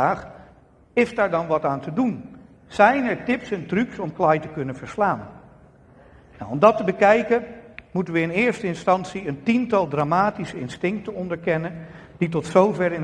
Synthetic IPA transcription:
aːχ | ɪsdaːɹdɑnʋɑtaːntədun | z̥ɛjnɛɹtɪpsɛntryksɔmklaːjtəkɵnənvəɹslaːn | nawɔmdɑtəbəkɛjkəmutənʋəɪnɪːɹstəɪnstɑntsiəntintɑlˠdraːmaːtisəɪnstɪŋk̚tənɔndəɹkɛnən | d̥itɔtsowvɛrɪn

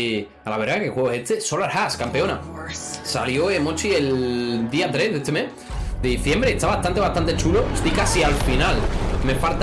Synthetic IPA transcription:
alaβeɾðakexweɣosest̪esolaɾxaskampe̞ona | saljoemot͡ʃield̪iat̪ɾezðet̪eme | d̪eðiθje̞mbɾeːst̪aβaast̪ãnt̪east̪ant̪e̞t͡ʃuloest̪ikasialfinalmefalt̪

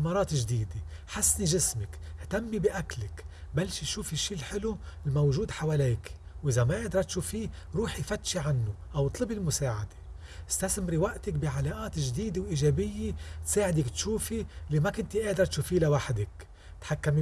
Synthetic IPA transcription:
mɑɾˤɑːt̪ʒd̪iːd̪e | ħasːniʒɪsmɪkht̪amːibiʔaklɪkbalːʃiʃuːfiʃːiːlħɪlulmowʒuːd̪ħawaːleːk | wʔɪzamaʔeːd̪ɾˤɑt̪ʃuːfiɾuːħjfat̪ːʃiʕanːʊʔawt̪ˤlɨbilmʊsaːʕad̪e̥ | ʔɪst̪asmɾiwaʔt̪ɪkbiʕalaːʔaːt̪ʒd̪iːd̪ewʔiːʒeːbɪjːet̪saːʕɪd̪ɪkt̪ʃuːfiliːmakɪnt̪iʔeːd̪ɾˤɑt̪ʃuːfiːlawaħd̪ɪk | t̪ħakːam

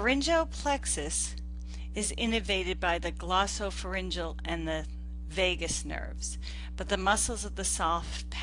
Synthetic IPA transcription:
ə˞ɪ̃nd͡ʒoʊpʰl̥ɛksɨs | ɨzɪ̃nɨveɪɾɨd̚baɪðɨɡlɑsoʊfə˞ɪ̃nd͡ʒl̩ˠɨ̃nðɨ | veɪɡɨsnɜ̰˞vz̥ | b̥ʌt̪̚ðəmʌsl̩ˠzʌvðɨsɔf | pʰ

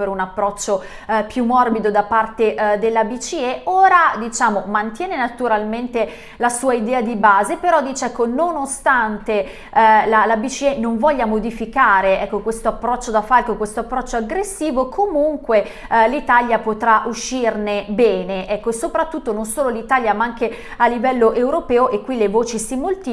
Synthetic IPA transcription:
peɾunapːɾɔt͡ʃːo | pjumːɔrbid̪od̪apart̪eʔd̪elːabit͡ʃieʔoːɾad̪it͡ʃaːmomant̪jɛːnenat̪uɾalment̪e | lasuːaid̪ɛːad̪ibaːzepeɾɔd̪iːt͡ʃeɛkːononost̪ant̪e | lalabit͡ʃienoɱvɔʎːamod̪ifikaːɾeɛkːokwest̪oapːɾɔt͡ʃːod̪afalkokwest̪oapːɾɔt͡ʃːoaɡɾesːiːvokʰomuŋkwe | lit̪aljapot̪ɾaʔuʃːirnebɛːneʔɛkːoesːopɾat̪ːut̪ːononsoːlolit̪aːljamaaŋke | alːivɛlːoʔewɾopɛːoʔekːwilevoːt͡ʃisimolt̪i

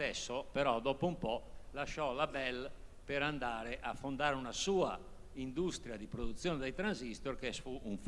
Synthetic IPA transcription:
ɛsːopeɾɔd̪ɔːpoumpɔlaʃɔlabɛlpeɾand̪aːɾeʔafːond̪aːɾeunasuːa̰ | ind̪ust̪ɾjad̪ipɾod̪ut̪sːjɔːnɛd̪ejt̪ɾanzist̪oɾkɛsfuuɱf

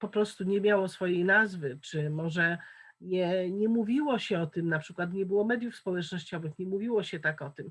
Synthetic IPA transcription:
pɔpɾɔst̪uɲɛmʲjawɔsfɔjejnazvɘt͡ʂɘmɔʐɛ | ɲɛɲɛmuvʲiwɔɕɛɔt̪ɘmnapʂɘkwat̪ɲɛbɘwɔmɛd̪ʲjufspɔwɛt͡ʂnɔɕt͡ɕɔvɘxɲɛmuvʲiwɔɕɛt̪akɔt̪ɘm

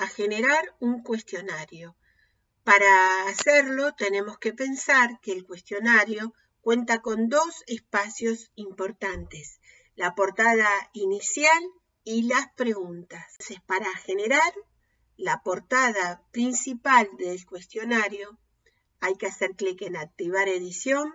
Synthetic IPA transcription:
axeneɾaɾuŋkwe̞st̪jo̞naɾjo̞ | paɾaːseɾlo̞t̪e̞ne̞mo̞skepe̞nsaɾkeːlkwe̞st̪jo̞naɾjo̞ | kwe̞nt̪ako̞nd̪o̞sespasjo̞simpo̞ɾt̪ant̪es | lapo̞ɾt̪aðainisjal | ilaspɾeɣunt̪assepaɾaxene̞ɾaɾ | lapo̞ɾt̪að̞apɾinsipald̪elkwe̞st̪jo̞naɾjo̞ | ajkeaseɾklekenak̚t̪iβ̞aɾe̞ðisjo̞n

